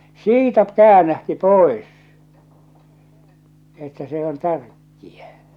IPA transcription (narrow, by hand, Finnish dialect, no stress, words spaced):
siːtæ kæːnæhti poˑes etːæ se on tærkːiæ